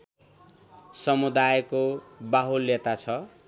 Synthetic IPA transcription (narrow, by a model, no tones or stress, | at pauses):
sʌmud̪ajkobaɦulːet̪at͡sʰʌ